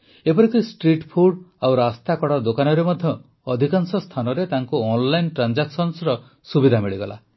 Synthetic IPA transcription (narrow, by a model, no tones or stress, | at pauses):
epɔɾikɾisʈɾiʈpʰuɽawɾast̪akɔɽɔd̪okanɔɾemɔd̪ʱjɔː | d̪ʱikansɔst̪ʰanɔɾet̪aŋkuɔnlajnʈɾand͡ʒaksɔnsɾɔ | subid̪ʱamiɭiɡɔla̰